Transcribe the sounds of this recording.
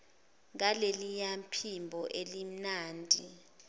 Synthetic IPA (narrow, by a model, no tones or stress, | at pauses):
ŋalelijampʰimbʱɔʔelim̩naːndʱi